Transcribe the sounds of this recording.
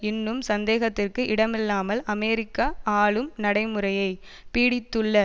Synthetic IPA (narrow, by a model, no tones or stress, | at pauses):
ɪnːɯmsɐnd̪eːɣɐt̪ːɪrkɯʔɪɽɐmɪlːaːmɐlɐmeːɾɪkːɐaːɭɯmnɐɽɐɪmɯrɐjɐɪ | piːɽɪt̪ːɯɭːɐ